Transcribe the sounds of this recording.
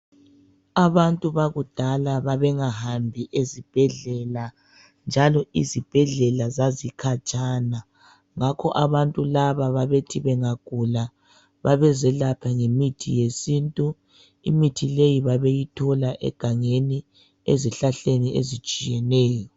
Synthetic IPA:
aβantʼuβaɣud̥ʱalaβaβɛŋahambʱiʔezib̥ʱɛɮɛla | nd͡ʒʱalɔizib̥ʱɛɮɛlazazikʰat͡ʃʼaːna | ŋakʰɔʔaβantʼulaβaβaβetʰiβɛŋaɡ̥ʱula | βaβɛzɛlapʰaŋemitʰḭjesintʼu | ḭmitʰilejiβaβejitʰɔlaʔɛ̰ɡ̥ʱaŋeni | ḛziɬaɬeniʔḛzit͡ʃʼijɛnɛːjɔ

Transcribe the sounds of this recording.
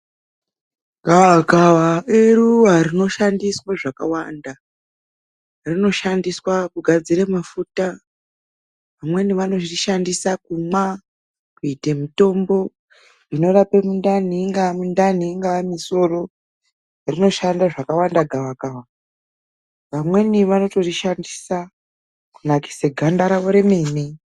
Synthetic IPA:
ɡʱawaɡʱawaeruarino̞ʃandiswaʐakawanda | rino̞ʃandiswakuɡʱad͡ziɾemafuta | ʋamwe̞niʋano̞ʐiiʃandisakuma | kuitemito̞mbo̞ | rino̞ɾape̞mundaniːŋɡaamundaniːŋɡaamiso̞ro̞ | rino̞ʃandaʐakawandaɡʱawaɡawa | ʋamwe̞niʋano̞to̞riʃandisa | kunaki̥seɡʱandaɾaʋo̞ɾe̞me̞ːni

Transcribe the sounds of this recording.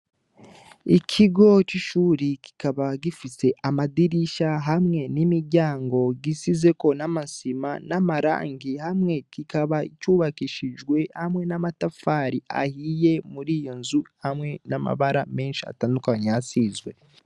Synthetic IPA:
icʰiɡo̞ciʃuːɾiki̥kaβaɡifise̞ʔamadiɾiʃaɦamŋe̞nimiɾɟaːŋɡo̞ɡisize̞ko̞namasimanamaɾa̰ːŋɡihamŋe̞kikaβaicuːβakiʃid͡ʒɡwe̞hamŋe̞namatafaːɾia̰hiːje̞muɾiːjo̞nzuhamŋe̞nama̰βaɾame̞ːnʃia̰taːndukaɲeasiːzɡwe̞

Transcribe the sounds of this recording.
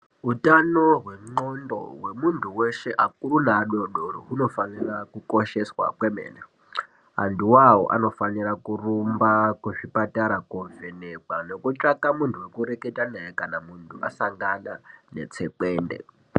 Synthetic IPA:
ɦutanoɦweŋ͡ǃondo̰wemuntʰuweʃeʔakuɾunaːɗoɗorɦuno̞fanirakukoʃeswa̰kwemḛːna | a̰nduwawo̰ʔa̰no̞fanirakurumbakweʂipataɾakoɱvenekwanokut͡ʃʼakamuntʰuwekuɾeketanajekanamuntʰuʔa̰saŋɡananḛt͡sʰekeːndḛ

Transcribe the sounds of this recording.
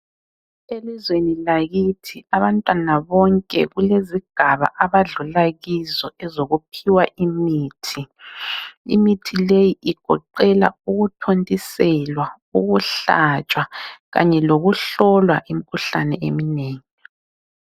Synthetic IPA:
elizwenilaɣitʰiaβantʼwanaβɔŋkʼɛ̰ɣuleziɡ̥ʱaβa̰ʔaβaɮulaɣizɔɛzoɣupʰiwaʔimiːtʰi | ḭmitʰilejiʔiɡ̥ʱɔǃɛla̰uɣutʰontʼisɛlwa | uɣuɬat͡ʃʼwaɣa̰ɲɛloɣuɬɔlwa̰ʔim̩kʰuɬanɛḛmineːŋi

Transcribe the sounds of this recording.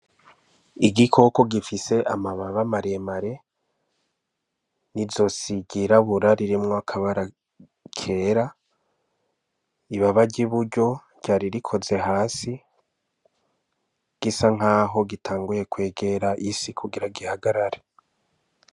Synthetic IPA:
iɡikʰo̞ko̞ɡifise̞ʔamaβaβamaɾemaɾe̞ | nizo̞siɡiɾaβuɾaɾiɾimŋoakʰaβaɾa | kʰeːɾa | iβaβaɟiβuɾɟo̞ | ɟ̥aːɾiɾikʰo̞ze̞ɦaːsi | ɡ̥isaŋ̥aːɦo̞ɡitʰaːŋɡuje̞kwe̞ːɡe̞ɾaʔisikʰuɡiɾaɡihaɡaɾaɾe

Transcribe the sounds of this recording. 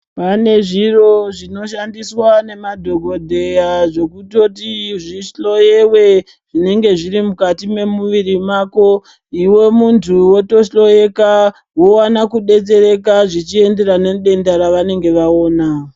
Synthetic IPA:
pane̞ʐiro̞ʐino̞ʃandiswane̞madʱo̞ɡʱo̞dʱe̞jaʐo̞kuto̞tiʐiʃlo̞je̞we̞ | ʐ̥ine̞ŋɡe̞ʐiɾimukatime̞muʋiɾimako̞ | iwe̞muntʰuwo̞to̞ʃlo̞jeka | wo̞wanakuɗe̞t͡se̞ɾe̞kaʐit͡ʃie̞nde̞ɾane̞ɗe̞ndaɾaʋane̞ŋɡe̞ʋao̞ːna

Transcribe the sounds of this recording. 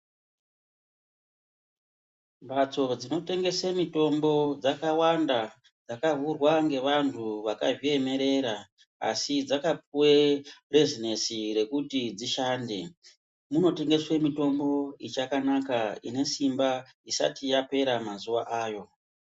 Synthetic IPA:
mbat͡so̞d͡zino̞te̞ŋɡe̞semito̞mbo̞d͡zakawanda | d͡zakavurwaŋɡe̞ʋantʰuʋakaʒie̞me̞ɾe̞ɾa | a̰sid͡zakap̚uwere̞zinesiɾe̞kutid͡ziʃaːnde̞ | muno̞te̞ŋɡe̞swe̞mito̞mbo̞it͡ʃakanakaine̞simba | isa̰tijape̞ɾamazuʋaʔaːjo̞

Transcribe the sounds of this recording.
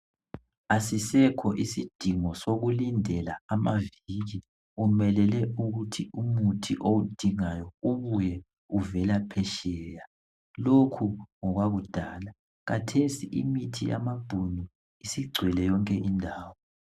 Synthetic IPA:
asisɛkʰɔʔisid̥ʱiŋɔsoɣulindʱɛlaamaviɣi | umɛlɛlɛʔuɣutʰiʔumutʰiʔowud̥ʱiŋajɔuβujɛ | uvɛlapʰɛʃɛːja | lokʰuŋɔɣwaɣud̥ʱaːla | ɣatʰesiʔḭmitʰija̰mab̥ʱunu | isiɡ͡ǀʱwɛlɛjɔŋkʼɛʔindʱaːwɔ

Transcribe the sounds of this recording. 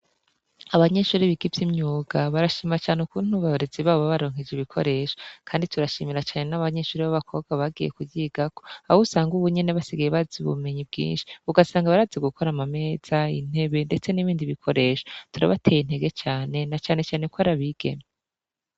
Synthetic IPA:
aβaɲe̞ʃuːɾiβiɡivjimɲuːɡaβaɾaʃiːmiɾat͡ʃaːneukuːn̥huβaoɾeziβaːβoβaβaɾo̞ːŋ̥ed͡ʒiβikʰo̞̰ɾe̞ːʃo̥kʰaːndituɾaʃiːmiɾat͡ʃaːne̞naβaɲe̞ʃuːɾiβaβakʰo̞b̚ɡwaβaɡijekuɟiːɡako̞ausaːŋɡuβuɲe̞neβasiɡajeβaziβṵme̞ɲib̚ɡḭːnʃi̥uɡasaːŋɡaβaɾaːzeɡuko̞ɾamame̞ːz̥aḭn̥he̞βe̞nde̞t͡se̞niβiːndiβikʰo̞ɾe̞ːʃo̥tuɾa̰βatʰe̞jin̥e̞ɡe̞t͡ʃaːne̞nat͡ʃaːne̞t͡ʃaːne̞koβaɾaβiɡ̥e̞̰me

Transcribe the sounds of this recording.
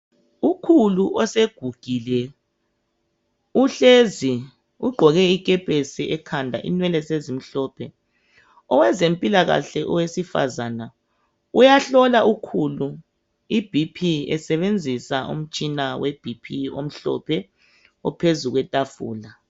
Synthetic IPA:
ukʰuluʔɔseɡ̥ʱuɡ̥ʱilɛ | uɬezi | uɡ͡ǃʱɔɣɛikʼɛpʼesiɛkʰandʱa̰ʔḭnwɛlɛsezim̩ɬɔːpʰɛ | ɔwɛzempʼilaɣa̰ɬɛʔɔwesifa̰zana | ujaɬɔlaʔukʰulu | ib̥ʱipʰiɛsɛβend͡zʱisaṵm̩t͡ʃʼinaweb̥ʱipʰio̰m̩ɬɔ̰pʰɛ | ɔpʰezuɣwɛtʼafṵːla

